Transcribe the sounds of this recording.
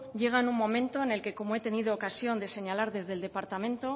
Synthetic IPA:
ʝe̞ɣ̞anuŋmo̞mẽ̞nt̪o̞ene̞lke̞ko̞moe̞t̪e̞nið̞o̞ːkasjo̞nd̪e̞se̞ɲalaɾðe̞zðe̞lde̞paɾt̪amẽ̞nt̪o̞

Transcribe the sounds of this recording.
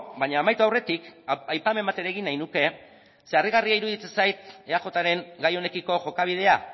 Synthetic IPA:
baɲaːmajt̪oawre̞t̪ikajpame̞mat̪e̞ɾeːɣinːajnuke̞ | se̞ariɣariaiɾuð̞it͡se̞nsajt̪eaxo̞t̪aɾe̞ŋɡajo̞ne̞kiko̞ʝo̞kaβ̞ið̞e̞a

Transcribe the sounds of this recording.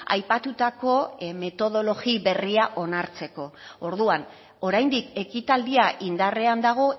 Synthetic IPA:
a̰jpat̪ut̪ako̞me̞t̪o̞ð̞o̞lo̞ɣiβe̞riaʔo̞naɾt͡se̞ko̞oɾðuan | o̞ɾajnd̪ike̞kit̪ald̪iaʔind̪are̞and̪aɣ̞o̞

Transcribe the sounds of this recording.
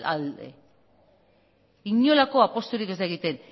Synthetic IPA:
a̰ld̪ḛ | iɲo̞lako̞apo̞st̪uɾike̞zd̪aeɣit̪e̞n

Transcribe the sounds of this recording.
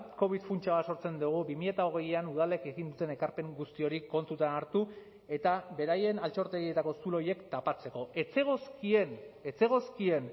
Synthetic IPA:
ko̞βit̪funt͡ʃaβaso̞ɾt͡se̞nd̪uɣ̞ubimiʎe̞t̪ao̞ɣ̞e̞januð̞ale̞ke̞ɣind̪ut̪e̞ne̞kaɾpe̞ŋɡust̪io̞ɾiko̞nt̪ut̪anaɾt̪u | e̞t̪aβe̞ɾaje̞nalt͡ʃo̞ɾt̪e̞ɣie̞t̪ako̞sulo̞je̞kt̪apat͡se̞ko̞e̞t͡seɣoskiene̞t͡se̞ɣ̞o̞skie̞n

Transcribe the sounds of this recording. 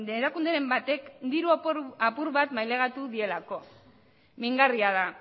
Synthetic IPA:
eɾakund̪eɾe̞mbat̪e̞kd̪iɾuaapuɾβat̪majle̞ɣ̞at̪uðie̞lako̞ | miŋɡariaða

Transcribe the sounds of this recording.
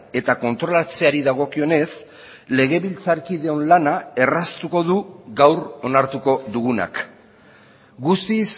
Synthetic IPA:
e̞t̪ako̞nt̪ɾo̞lat͡se̞aɾiðaɣ̞o̞kio̞ne̞s | le̞ɣe̞βilt͡saɾkiðe̞o̞nlanae̞rast̪uko̞ðuɣawɾo̞naɾt̪uko̞ðuɣuna̰k | ɡust̪is

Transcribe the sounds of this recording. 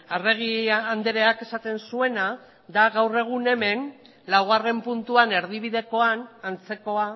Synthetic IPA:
areɣ̞iand̪eɾe̞ake̞sat̪e̞nsue̞na | d̪aɣawre̞ɣ̞une̞me̞n | lawɣare̞mpunt̪uane̞ɾðiβ̞iðe̞ko̞anant͡se̞ko̞a

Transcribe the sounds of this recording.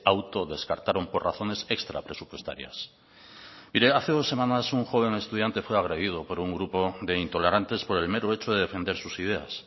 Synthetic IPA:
awt̪oðe̞skaɾt̪aɾo̞mpo̞raθo̞ne̞se̞kst̪ɾa̰pɾe̞supwe̞st̪a̰ɾja̰s | miɾeaθe̞ðo̞sːe̞mãnasuŋxo̞β̞e̞ŋe̞st̪uðjant̪e̞fwe̞aɣ̞ɾe̞ðið̞opo̞ɾuŋɡɾupo̞ðe̞int̪o̞le̞ɾant̪e̞spo̞ɾe̞lme̞ɾoe̞t͡ʃoðe̞ð̞efe̞nd̪e̞ɾsusið̞e̞a̰s

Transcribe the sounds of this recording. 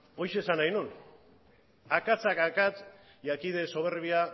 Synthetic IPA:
o̞jʃe̞ːsanajnun | akat͡sakakat̪ | jakiðe̞so̞β̞e̞ɾβia

